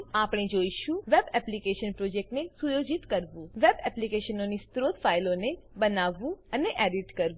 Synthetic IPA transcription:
apɽ̃ed͡ʒoiʃũʋebɛplikeʃənpɾod͡ʒek̚ʈnesujod͡ʒit̪kəɾʋũʋebɛplikeʃənonist̪ɾot̪failõnebənaʋũəneʔɛɖiʈkəɾʋũ

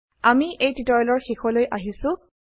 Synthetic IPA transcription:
amiʔejtitɔɔlɔɹxexɔlojʔaɦisʊ̃

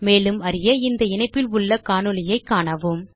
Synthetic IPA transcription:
meːlɯmɐɾɪjɐɪnd̪ɐɪnɐɪpːɪlʊɭːɐkaːnɯlɪjɐɪkːaːɳɐʋɯm

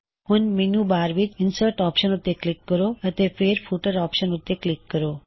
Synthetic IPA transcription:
hunminubaɾʋit͡ʃinsəɾʈɔpʃənut̪ːeklikːəɾoət̪efʰeɾpʰuʈəɾɔːpʃənut̪ːeklikːəɾo

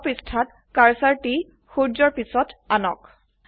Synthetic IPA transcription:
pistʰat | kaɹsaɹti | xuɹd͡ʒɔɹpisɔtanɔ̰k

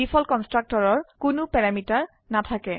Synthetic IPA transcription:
ipʰɔlkɔnstɹak̚tɔɹɔɹkʊnʊpɛɹamitaɹ | natʰakɛ

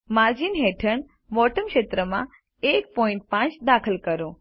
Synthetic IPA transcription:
maɾd͡ʒinɦeʈʰəɳ | ʋɔʈəmkʃet̪ɾəmã | ek̚pɔĩɳʈ̚pãt͡ʃd̪akʰəlkəɾõ

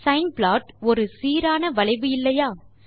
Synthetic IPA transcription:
sɐɪnbɭaːʈɔɾɯsiːɾaːnɐʋɐɭɐɪʋɯɪlːɐjaː

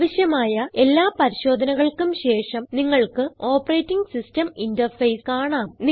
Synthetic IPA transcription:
ʋɐɕjɐmaːjɐe̞lːaːpɐɾiɕo̞ːd̪ʱɐnɐɣɐɭkumɕe̞ːʂɐmniŋːɐɭkɨo̞ːpːɐreːtːiŋɡsistɐmindɐrfɐjskaːɳaːmni

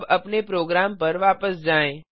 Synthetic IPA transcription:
bəpnepɾoːɡɾampəɾʋaːpəsd͡ʒaːẽ

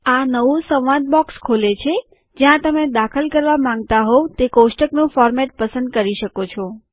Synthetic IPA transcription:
anəʋũsəʋʋãt̪̚bɔkskʰolet͡ʃʰe | d͡ʒjãt̪əmed̪akʰəlkəɾʋamãŋɡ̚t̪aɦot̪ekosʈəknũfɔɾmɛʈpəsə̃nd̪̚kəɾiʃəkot͡ʃʰɔ

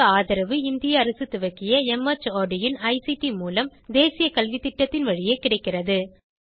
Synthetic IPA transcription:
aːðɐɾɐʋɯɪnd̪ɪjɐːɾɐsɯt̪ːʊʋɐkːɪjɐɛmɐt͡ʃːaːɖɪjɪnɐɪsiʈimuːlɐmd̪eːsɪjɐkɐlʋit̪ɪʈːɐt̪ːɪnʋɐɻɪjeːkɪɽɐɪkːɪrɐðɯ

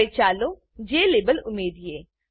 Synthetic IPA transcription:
et͡ʃaːloː | d͡ʒeːleːbəlʊmeːd̪jeː

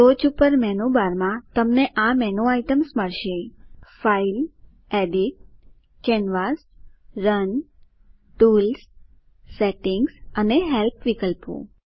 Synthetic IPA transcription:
ɾod͡ʒupəɾmɛnubaɾmãt̪əmneʔamɛnũaiʈəmsməɭʃefail | eɖiʈ̚ | kɛnʋasɾən | ʈuls | seʈɪŋɡsəneɦɛlpʰʋikəlpṵ̃

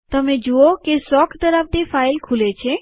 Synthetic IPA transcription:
t̪əmẽd͡ʒuokesɔkʰd̪əɾabt̪efailkʰulet͡ʃʰe

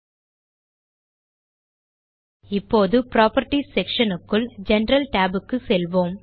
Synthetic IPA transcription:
ɪpːoːðɯpɾaːpɐɾʈisɛkʂɐnɯkːɯld͡ʒɛnɾɐlʈaːbɯkːɯsɛlʋoːm

